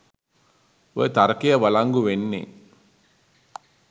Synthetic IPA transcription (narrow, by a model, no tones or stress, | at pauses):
ʋot̪ɐɾɐkijɐʋɐlɐŋɡuʋenːḭ